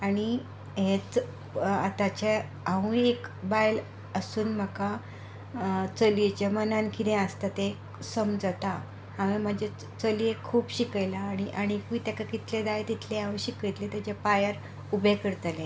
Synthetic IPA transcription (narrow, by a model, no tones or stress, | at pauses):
aɽ̃i | ɦẽt͡s | at̪at͡ɕe | aʋũekbajl | əsuːnm̤əka | t͡səliet͡ɕamənankid̪ẽəst̪at̪ek | səmd͡zət̪a | aʋẽm̤əd͡ʑe | t͡səliekʰuːpɕikajlaːɽ̃iʔaɽ̃ikit̪akakit̪ʰled̪ajet̪it̪ʰleãʋũɕikit̪let̪at͡ɕapajəɾ | ubʱekəɽt̪alẽ